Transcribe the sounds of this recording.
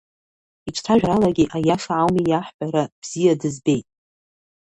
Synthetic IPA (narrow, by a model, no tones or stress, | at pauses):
it͡ʃʷʰtʰaʒʷᶣɾalaɡʲiʔajaʂaʕawmijaħbʼaɾab̥z̥ijadɨzbe̞jtʼ